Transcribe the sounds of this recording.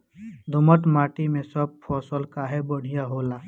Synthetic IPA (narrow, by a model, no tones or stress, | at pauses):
d̪ʱʊmət̪maːʈimẽsəb̚pʰɔːsəlkaɦɛbəɽ̤ijaɦoːlaː